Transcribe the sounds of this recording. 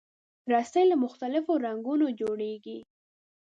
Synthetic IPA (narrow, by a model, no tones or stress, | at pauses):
ɾɑst̪ajlamʊxt̪alɪfoɾaŋɡunod͡ʒoɽeɡi